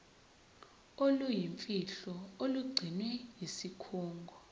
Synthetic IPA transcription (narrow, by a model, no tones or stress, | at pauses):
olujiɱfʼiɬɔoluɡ͡ǀʱinwɛjisikʰuːŋɡʱɔ